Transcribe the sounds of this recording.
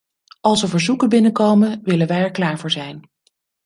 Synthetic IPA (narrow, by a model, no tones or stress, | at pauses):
ʔɑlˠsəvəɹzukəbɪnəkowmənʋɪlənʋɛjɛɹklaːɹvʊːɹzɛjn